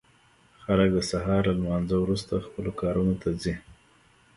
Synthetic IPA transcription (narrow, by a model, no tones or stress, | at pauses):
xalək̚d̪əsaɦɑɾlalmɑnzəwɾust̪axpəlokɑɾunot̪azi